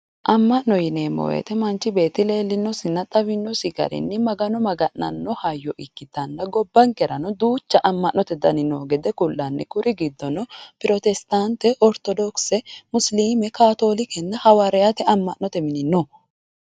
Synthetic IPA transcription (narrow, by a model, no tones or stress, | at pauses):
ʔɐmːɐʔnɔjɪneːmːɔ̰wḛt̪ɛmɐnt͡ʃːɪbe̞ːt̪ɪleːlːɪnːɔsɪnːɐt̪ʼɐβɪnːɔsɪɡɐ̰ɾɪ̰nːɪmɐɡɐnɔmɐɡɐʔnɐ̰nːɔhɐjːɔʔɪkːɪt̪ːɐnːɐɡɔbːɐŋkɛɾɐnɔd̪uːt͡ʃːɐʔɐmːɐʔnːɔt̪ɛd̪ɐnɪnoːɡɛd̪ɛkʊlːɐnːɛ̰kʊɾʔɪɡɪd̪ːɔnɔpɪɾɔt̪ɛst̪ant̪ɛʔɔɾt̪ɔd̪ɔksɛmʊsliːmɛkaːt̪o̞ːlɪkɛnːɐhɐwɐɾɛjɐt̪ɛʔɐmːɐʔnɔt̪ɛmɪnɪnːɔ